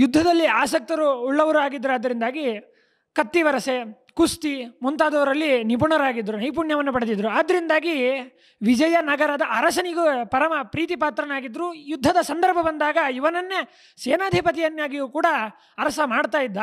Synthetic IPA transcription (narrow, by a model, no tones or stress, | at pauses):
jud̪ʱːɐd̪ɐlːiaːsɐk̚t̪ɐɾuːɭːɐʋɐɾuaːɡid̪ːɾuɐd̪ːɐɾind̪aːɡi | kɐt̪ːiʋɐɾɐse | kust̪imunt̪aːd̪ɐʋɐɾɐlːinip̬uɳɐɾaːɡid̪ɾunɐjp̬uɳjɐʋɐnːupɐɽed̪id̪ɾuaːd̪ːɐɾind̪aːɡi | ʋid͡ʒɐjɐnɐɡɐɾɐd̪ɐʔɐɾɐsɐniɡupɐɾɐmɐpɾiːt̪̬ipaːt̪ɾɐnaːɡid̪ɾujud̪ʱːɐd̪ɐsɐnd̪ɐɾbʱɐbɐnd̪aːɡɐiʋɐnɐnːe | seːnaːd̪ʱipɐt̪̬ijɐnːjaːɡijuːkuːɽɐ | ɐɾɐsɐmaːɽt̪aːjid̪ːɐ